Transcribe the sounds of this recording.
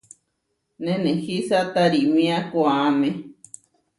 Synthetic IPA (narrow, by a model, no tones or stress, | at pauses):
nẽnẽhisat̪aɾimĩakwamẽ